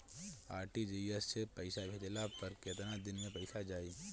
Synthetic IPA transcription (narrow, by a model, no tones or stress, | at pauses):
aːɾʈid͡ʒiɛsːepəɪsabʱet̪elapəɾkeːt̪nad̪ɪnmẽpɐɪsad͡ʒaːi